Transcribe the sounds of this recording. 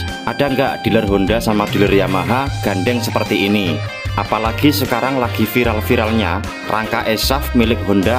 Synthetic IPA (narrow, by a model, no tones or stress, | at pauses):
ʔadaŋɡa̰ʔd̥i̤lərɦondasamad̪̥i̤lərjamaɦaɡ̥a̤ɳɖɛŋsəpərt̪iːni | ʔapalaɡ̥isəkaɾaŋlaɡ̥i̤fiɾalfiɾalɲa | rʔa̰ŋkaʔɛsafmilɪk̚ɦonda